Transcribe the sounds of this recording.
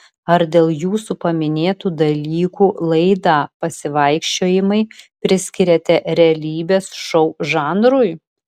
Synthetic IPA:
ɐɾd̪ʲeːlˠjuːsupɐmʲɪnʲeːt̪uːd̪ɐlʲiːkuːlˠɐɪd̪ɑːpɐsʲɪʋɐɪkʃʲt͡ʃʲoːjɪmɐɪpʲɾʲɪsʲkʲɪɾʲɛt̪ʲɛɾʲɛɐlʲiːbʲeːsʃɔʊʒɑːnɾʊj

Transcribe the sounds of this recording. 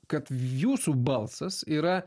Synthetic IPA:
kɐt̪juːsuːbɐlˠsɐsiːɾɐ

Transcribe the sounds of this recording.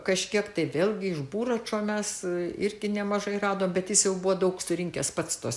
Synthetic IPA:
kɐʃʲkʲiɛkt̪ɐɪʋʲeːlʲˠɡʲɪɪʒbuːɾɐt͡ʃoːmʲɛsɪɾʲɡʲɪnʲɛmɐʒɐɪrɑːd̪oːmbʲɛt̪jɪsjɛʊbuʋod̪ɐʊksʊɾʲɪŋʲkʲɛspɐt̪st̪oːs

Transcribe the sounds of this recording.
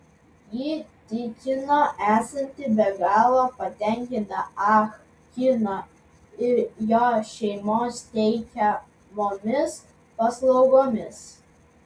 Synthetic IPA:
jiːt̪ʲɪkʲɪnoːʔæːsɐnʲt̪ʲɪbʲɛɡɑːlˠopɐt̪ʲɛŋʲkʲɪnt̪ɐɑx | kʲɪno | ɪɾjoːʃʲɛɪmoːst̪ʲɛɪkʲɛ | moːmʲɪs | pɐslˠɒʊɡoːmʲɪs

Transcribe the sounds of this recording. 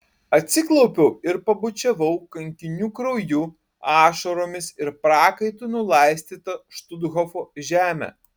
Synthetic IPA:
ɐt̪ʲsʲɪklˠɒʊpʲɛʊɪɾpɐbʊt͡ʃʲɛʋɐʊkɐŋʲkʲɪnʲuːkɾɐʊjuː | ɑːʃɐɾoːmʲɪsɪɾpɾɑːkɐɪt̪unʊlˠɑɪsʲt̪ʲiːt̪ɐʃt̪ʊd̪ɣɔfoːʒʲæːmʲæ̰

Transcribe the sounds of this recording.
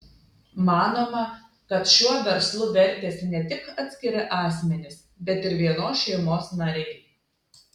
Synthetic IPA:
mɑːnoːmɐ | kɐt̪ʃʲuɔʋʲɛɾslˠʊʋʲɛɾʲˑt̪ʲeːsʲɪnʲɛt̪ʲɪkɐt̪ʲsʲkʲɪɾʲɪʔɑːsʲmʲɛnʲɪs | bʲɛt̪ɪɾʋʲiɛnoːsʃʲɛɪmoːsnɐɾʲɛɪ

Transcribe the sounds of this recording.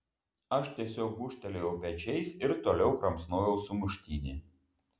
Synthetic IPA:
ɐʃt̪ʲiɛsʲoːk̚bʊʃʲt̪ʲɛlʲejɛʊpʲɛt͡ʃʲɛɪsɪɾt̪oːlʲɛʊkɾɐmsnoːjɛʊsʊmʊʃʲt̪ʲiːnʲɪ

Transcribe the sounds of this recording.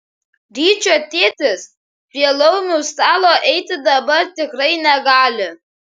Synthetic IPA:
ɾʲiːt͡ʃʲoːt̪ʲeːt̪ʲɪs | pʲiɛlˠɐʊnʲuːst̪ɑːlˠoːʔɛɪt̪ʲɪd̪ɐbɐɾt̪ʲɪkɾɐɪnʲɛɡɑːlʲɪ

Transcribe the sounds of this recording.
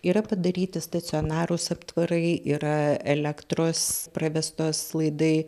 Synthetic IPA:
iːɾɐpɐd̪ɐɾʲiːt̪ʲɪst̪ɐt̪sʲɪɔnɑːɾʊsɐpt̪ʋɐɾɐɪʔiːɾɐɛlʲɛkt̪ɾoːsprɐʋʲɛst̪oːslˠɐɪd̪ɐɪ

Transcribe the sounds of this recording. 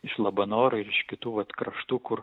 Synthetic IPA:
ɪʃlˠɐbɐnoːɾʊɪɾɪʃkʲɪt̪uːʋɐt̪kɾɐʃt̪uːkʊɾ

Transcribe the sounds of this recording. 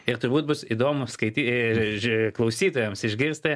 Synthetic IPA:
ɪɾt̪ʊɾbuːt̪̚bʊsiːd̪oːmʊskɐɪt̪ʲi | klˠɐʊsʲiːt̪oːjɛmsɪʒʲɡʲɪɾst̪ɐ

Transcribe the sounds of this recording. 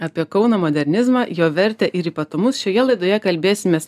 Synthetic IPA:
ɐːpʲiɛkɒʊnoːmoːd̪ʲɛɾʲnʲɪzmɑːjoːʋʲɛɾʲt̪ʲɛʔɪɾiːpɐt̪ʊmʊsʃʲoːjɛlˠɐɪd̪oːjɛkɐlʲbʲeːsʲɪmʲeːs

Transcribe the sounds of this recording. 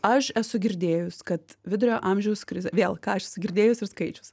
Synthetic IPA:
ɐʃɛsʊɡʲɪɾʲd̪ʲeːjʊskɐt̪ʋʲɪd̪ʊɾʲoːʔɐmʲʒʲɛʊskɾʲɪzʲɛʋʲeːlˠkɑːɐʃɛsʊɡʲɪɾʲd̪ʲeːjʊsɪrskɐɪt͡ʃʲʊs

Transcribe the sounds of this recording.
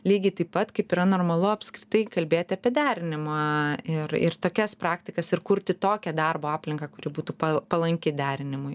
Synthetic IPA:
lʲiːɡʲɪt̪ɐɪppɐt̪kɐɪpiːɾɐnoːrmɐlˠʊɐpʲskɾʲɪt̪ɐɪkɐlʲbʲeːt̪ʲɪɐpʲiɛd̪ʲæːɾʲɪnʲɪmɐɪrɪ̰rt̪oːkʲɛspɾɑːkt̪ʲɪkɐsɪrkʊɾʲt̪ʲɪt̪oːkʲɛd̪ɑrboːɑːpʲlʲɪŋkɑːkʊɾʲɪbuːt̪uːpɐpɐlˠɐŋʲkʲɪd̪ʲæːɾʲɪnʲɪmʊj

